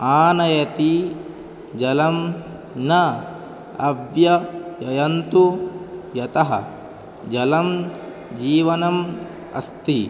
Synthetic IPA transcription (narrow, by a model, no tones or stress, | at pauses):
aːnɐjɐt̪i | d͡ʒɐlɐm | nɐ | ɐbjɐjɐjɐnt̪ujɐt̪ɐɦɐ̰ | d͡ʒɐlɐm | d͡ʒiːʋɐnɐm | ɐ̰st̪i